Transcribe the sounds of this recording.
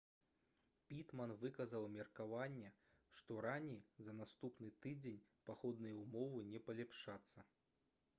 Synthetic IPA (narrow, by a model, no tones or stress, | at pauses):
pʲit̪mɐnvɨkɐzɐwmʲɛrkavanʲːɛ | ʂt̪ɔɾanʲejzɐnast̪upnɨt̪ɨd͡zʲenʲpaxɔd̪nɨjɛumɔvɨnʲɛpɐlʲɛpʂat̪sːɐ